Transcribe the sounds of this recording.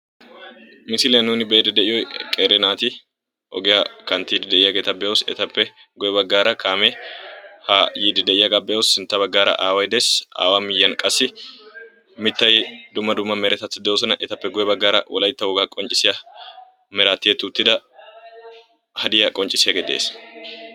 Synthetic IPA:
mɪsɪlɪjɐnuːnɪbeːd̪ɛd̪ɛʔɪjɔjkʼeːɾɛnaːt̪ɪ | ʔɔ̰ɡɪjɐkɐnt̪ːid̪ɪd̪ɛʔɪjɐɡet̪ɐbɛʊsɛ̰t̪ɐpːɛ | ɡɔjɛbɐɡːaːɾɐkʰaːmɛhaːjid̪ɪd̪ɛʔɪjɐɡɐbɛʊsːɪnt̪ːɐbɐɡːaːɾɐ̰ʔaːwɐjd̪ɛsa̰ːwamɪjːɐnkʼɐsːɪ | mɪt̪ːɐjd̪ʊmːɐd̪ʊmːɐmɛɾɛt̪ɐt̪ːɪd̪ɛwɔsɐnɐʔɛt̪ɐpːɛɡɔjɛbɐɡːaːɾɐ̰wɔ̰lɐjt̪ːɐwɔɡakʼɔnt͡ʃʼɪsɪjɐ | mɛɾaːt̪ːɪjɛt̪ːʊt̪ːɪd̪ɐ | hɐd̪ɪjɐkʼɔnt͡ʃʼɪsɪjɐɡɛd̪ḛːs

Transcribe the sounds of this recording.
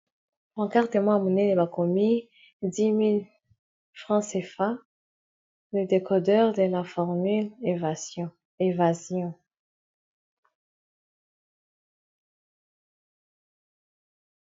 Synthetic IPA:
ɑ̃kaʁt̪emɔ̃munelebakɔmi | d̪imil | fχɑ̃sefa | ləd̪ekɔd̪œʁd̪əlafɔʁmylv | evazjɔ̃

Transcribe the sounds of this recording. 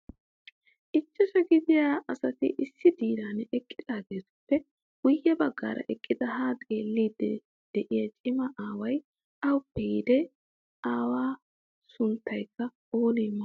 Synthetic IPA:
ʔɪt͡ʃːɛʃɐɡɪd̪ɪjaːʔɐsɐt̪ɪ̰ʔɪsːɪd̪iːɾanɛkʼːɪd̪aːɡeːt̪ʊ̥pːɛ | wʊjːɐbɐɡːa̰ːɾʔɐ̰ʔɛkʼːɪd̪ɐhaːt̪ʼeːlːiːd̪ːɛ | d̪̥ɛʔɪjɐt͡ʃʼɪmɐʔaːwɐj | ʔɐwʊpːɛjɪd̪ɛ | ʔaːwaː | sʊnt̪ʰːɐjkːɐ | oːliːmːɐ

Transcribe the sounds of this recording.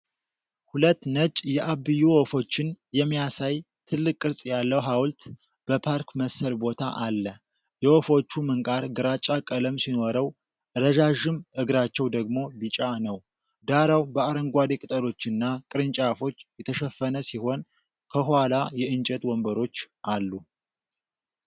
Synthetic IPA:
hulət̪ːnət͡ʃʼjɛʔaβɨjːuwofo̞t͡ʃːɪnjɛmːijasaj | t̪ʰɨlːɨkʼːɨɾsʼjalːəwɦawlt̪ | b̥əpʰaɾkməsəlbo̞t̪ʰa̰ʔalːə | jɛwofo̞t͡ʃːumɨŋkʼaɾɡɨɾat͡ʃʼakʼələmsino̞ɾəw | ɾəʒaʒɨmʔɨɡɾat͡ʃːɛwd̪əɡmo̞bɨt͡ʃʼanəw | d̪aɾawbəaɾəŋɡʷad̪ekʼɨt̪ʼəlo̞t͡ʃːɨnːakʼɨɾɨnt͡ʃʼafo̞t͡ʃːjɛt̪ʰəʃɛfːənəsiho̞n | kʰəɦhalajɛɨnt͡ʃʼɛt̪wɔmbəɾo̞t͡ʃːʔalːu

